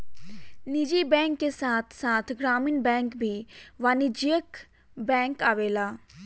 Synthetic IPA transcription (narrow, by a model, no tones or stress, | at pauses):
nid͡ʒiːbɛ̃ːŋkːesaːt̪ʰsaːt̪ʰɡɾaːmɪnbɛ̃ːŋkbʱiːʋaːnid͡ʒiək | bɛ̃ːŋkaːʋeːlaː